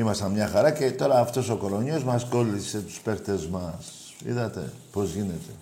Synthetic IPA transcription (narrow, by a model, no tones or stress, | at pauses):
imɐst̪ɐnmɲɐxɐɾɐce̞t̪o̞ɾɐːft̪o̞so̞ko̞lo̞ɲozmɐsko̞lise̞t̪u̥spe̞kt̪e̞zmɐs | ḭðɐt̪e̞̰ | po̞zʝine̞t̪e̞̥